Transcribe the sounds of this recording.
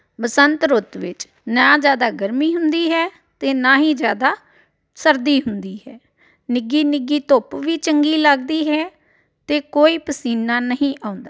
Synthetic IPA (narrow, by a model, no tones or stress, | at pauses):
bəsənt̪ɾʊt̪ʋɪt͡ʃ | nãːd͡ʒjaːd̪aːɡəɾmiːɦʊnd̪iːɦɛː | t̪eːnãːɦĩːd͡ʒjaːd̪aː | səɾd̪iːɦʊnd̪iːɦɛː | nɪɡiːnɪɡiːt̪opʋiːt͡ʃəŋɡiːləɡd̪iːɦɛː | t̪eːkoːiːpəsiːnːaːnəɦĩːʔãːʊ̃nd̪aː